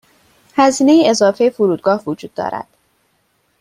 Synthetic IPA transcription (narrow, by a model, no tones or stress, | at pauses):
hæziːne̞jiezɒːfejefoɾuːd̪̚ɡɒːhvod͡ʒuːd̪̥ːɒ̰ːɾæ̰d̪̥